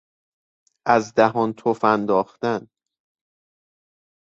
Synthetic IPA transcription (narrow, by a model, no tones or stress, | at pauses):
ʔæzd̪æɦɒːnt̪ʰofænd̪ɒːxt̪æn